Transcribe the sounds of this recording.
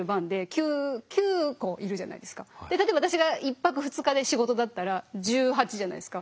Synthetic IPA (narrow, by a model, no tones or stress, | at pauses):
ɯ̟bãnd̪e̞kʲɨːkʲɨːko̞ʔiɾɯ̟ʑana̰id̪e̞sɨ̥kad̪eat̪obat̪aɕiɡaipːakɯ̟ɸɯ̟t͡sɨkad̪e̞ɕiɡo̞t̪o̞d̪at̪ːaɾaʑɨːɦat͡ɕiʑana̰id̪esɨ̥ka